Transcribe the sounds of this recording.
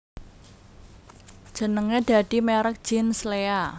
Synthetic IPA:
d̥ʒ̥ə̤nəŋed̪̥ä̤d̪̥i̤meɾək̚ʒ̥inslea

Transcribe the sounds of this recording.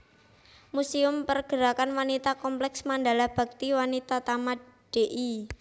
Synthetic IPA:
musiʊmpərɡ̥əɾakanwanit̪akɔmplɛksmand̪alahb̥a̤k̚t̪iwanit̪at̪ama | d̥eʔi

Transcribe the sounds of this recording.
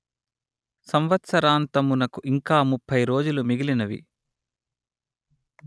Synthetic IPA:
sɐmʋɐt̪sɐɾaːnt̪ɐmunɐkuʔiŋkaːmupʰːɐjɾo̞ːd͡ʒulumiɡilinɐʋḭ

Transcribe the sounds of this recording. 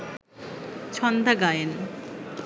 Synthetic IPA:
t͡ɕʰɔnd̪aɡajen

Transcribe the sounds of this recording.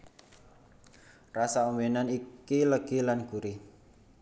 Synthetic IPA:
rasaumwenanikiləɡ̥ilanɡ̥uɾi

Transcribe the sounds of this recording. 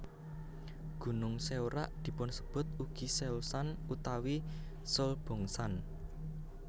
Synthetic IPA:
ɡ̥ṳnʊŋseuɾa̰ʔd̪̥i̤pʊnsə̥b̥ʊ̤t̪̚uɡ̥i̤seusanut̪awi | solb̥ɔ̤ŋsan

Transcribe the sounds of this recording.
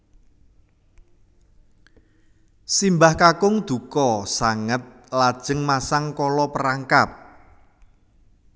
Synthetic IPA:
simbahkakʊŋd̪̥ukɔsaŋət̪̚ | lad̥ʒ̥əŋmasaŋkɔlɔpəɾaŋkap̚

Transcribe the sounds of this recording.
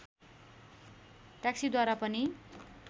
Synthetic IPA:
ʈaksid̪waɾapʌni

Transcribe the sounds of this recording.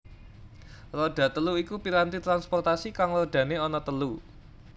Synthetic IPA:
rɔɖ̥ä̤t̪əluikupiɾant̪it̪ɾanspɔrt̪asikaŋlərd̪̥ä̤neɔnɔt̪əlu

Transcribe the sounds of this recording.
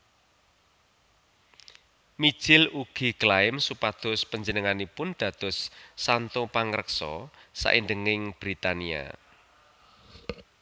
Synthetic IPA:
mi̥ʒ̥ɪluɡ̥i̤klaɪmsupad̪̥ʊ̤spəɲd͡ʒənəŋanipʊnd̪̥ä̤d̪̥ʊ̤sːant̪opaŋɾəksɔ̰sa̰ʔind̪əŋɪŋb̥ɾit̪ania̰

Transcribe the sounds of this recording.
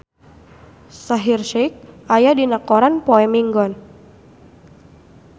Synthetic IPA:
saɦirʃɛk̚ʔajadinakɔɾanpɔɛmiŋɡɔn

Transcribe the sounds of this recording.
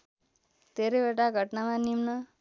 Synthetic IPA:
d̪̥ʱeɾʌjbeʈaɡʱʌʈnamãnimnʌ

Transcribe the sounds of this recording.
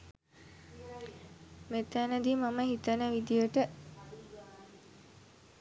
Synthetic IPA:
met̪ænəd̪imaməɦit̪ənəʋid̪ijəʈə

